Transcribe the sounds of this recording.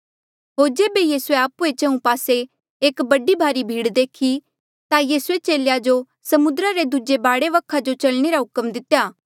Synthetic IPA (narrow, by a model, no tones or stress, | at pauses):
ɦoːɾd͡ʒeːbejiːsueaːpuet͡ʃɐ̃ũpaːse | eːkbɐɖibʱaːɾibʱiːɽd̪eːkʰi | t̪ajiːsuet͡ʃeːljad͡ʒo | sɐmʊd̪ɾaɾed̪ud͡ʒebaːɽeʋɐkʰad͡ʒot͡ʃɐlɽ̃eɾaɦʊkəmd̪ɪt̪ːjaː